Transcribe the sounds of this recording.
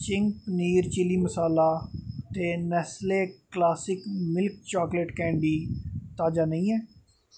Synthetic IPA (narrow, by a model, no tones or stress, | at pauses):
t͡ʃɪŋɡpəniːɾt͡ʃɪliːməsaːlaːt̪eːnɛːsleːklaːsɪkmɪlk̚t͡ʃaːkleʈkɛ̃ːɳɖiːt̪aːd͡ʒaːnəĩːɛː